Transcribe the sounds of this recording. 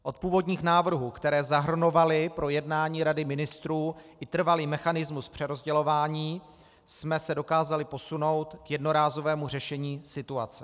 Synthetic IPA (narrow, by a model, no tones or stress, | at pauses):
ʔo̞t̪̚puːvo̞dɲiːxnaːvr̩ɦukt̪ɛɾɛːzaɦr̩no̞valɪpɾo̞jɛdnaːɲiːɾadɪmɪnɪst̪ɾuːʔɪt̪r̩valiːmɛxanɪzmuspr̝̥ɛɾo̞zɟɛlo̞vaːɲiː | smɛsɛdo̞kaːzalɪpo̞suno̞wt̪kjɛdno̞ɾaːzo̞vɛːmurɛʃɛɲiːsɪt̪uat͡sɛ